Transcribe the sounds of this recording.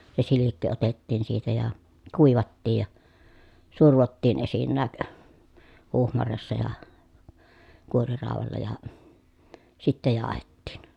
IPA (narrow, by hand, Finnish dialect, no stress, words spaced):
se silikːi otetːiːn siːtæ jɑ kuˑiʋɑtːij jɑ surʋotːiːn esinːæːk huhmɑresːɑ jɑ kuorirɑˑoʋɑlːɑ jɑ sitːæ jɑːhetːiˑn